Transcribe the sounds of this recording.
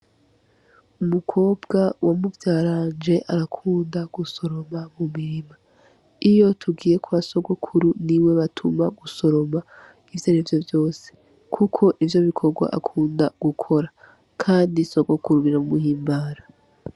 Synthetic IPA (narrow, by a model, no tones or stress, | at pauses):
umukʰo̞ːbɡawamuvjaːɾaːnd͡ʒe̞ʔaɾakʰuːndaɡ̥uso̞ɾo̞mamumiɾima | ijo̞tʰuɡiːje̞kʰuβaso̞ɡokʰuɾuniwe̞βatʰumaɡuso̞ɾo̞ma | ivjonivjo̞vjo̞ːse | kʰukʰo̞ʔivjo̞βikʰo̞ɾɡwa̰ʔa̰kʰuːndaɡ̥ukʰo̞ɾa | kʰaːndisoɡokuɾuβiɾamumuhiːmbaːɾa